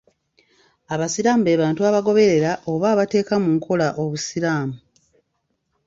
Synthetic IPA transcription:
aβasiɾaːmbe̞ːβaːntuaβaɡo̞βe̞ɾe̞ɾaʔo̞βaːβate̞ːkamuŋkʰo̞laʔo̞βusiɾaːmu

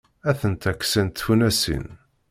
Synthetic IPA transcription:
æθənt̪ækːsænt̪funæsḭn

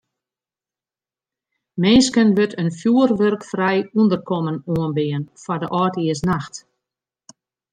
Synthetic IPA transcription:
menskənʋøtʰənfjuərʋørkfrɛjundərkɔmənuənbɪənfɔdəʔɔːtiəs̬naxt

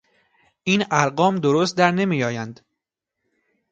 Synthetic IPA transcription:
ʔiːnæɾɢɒːmd̪oɾost̪̚d̪æɾne̞miːjɒːjænd̪̥

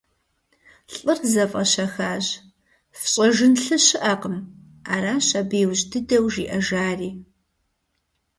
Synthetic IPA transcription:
ɬʼɨrzɐfʼɐɕɐxaːʑ | fɕʼɐʒɨnɬɨɕɪʔɐqəm | aːɾaːɕɐbeːwʑdʰɨdɐwʒḭːʔɐʒaːriː

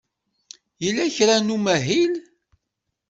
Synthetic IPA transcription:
jilːæçɾænumæɦil

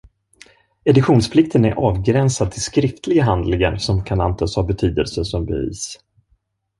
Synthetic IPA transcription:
ɛd̪ɪɧuːnspʰlɪk̚t̪ʰənæɾʔɑːvɡɾɛnsad̪t̪ʰɪlskɾɪft̪lɪɡaɦand̪lɪɡaɾsɔmkʰanant̪ʰəshabɛt̪ʰyːd̪əlsəʂɔmbɛ̰vḭːs

